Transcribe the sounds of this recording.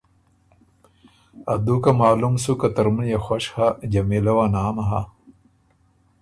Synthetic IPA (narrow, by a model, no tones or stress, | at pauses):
ɐ̰d̪ukɐmaːlumsukɐt̪ɐɾmunjaxwɐɕhad͡ʑɐmilɐwanaːmɐɦa̰